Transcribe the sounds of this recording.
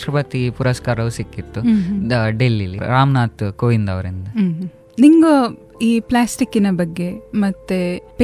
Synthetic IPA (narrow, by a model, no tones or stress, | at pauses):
ɾɐpɐt̪ipuɾɐskaːɾɐʋusikːit̪ːu | ɖelːiliɾaːmnaːt̪koːʋind̪ɐʋɐɾind̪ɐ | niŋɡo | iːplaːsʈikːinɐbɐɡːe̞mɐt̪ːepe